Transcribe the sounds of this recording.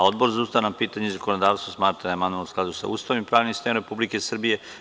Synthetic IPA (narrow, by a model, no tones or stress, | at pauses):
o̞d̪bo̞ɾzaust̪aʋnampiːt̪aɲezakonod̪aːʋst̪asmaːt̪ɾad̪aemand̪uanusklˠad̪usa̰ṵːst̪aʋimpɾaːʋnimst̪eɾe̞publike̞sr̩bije̞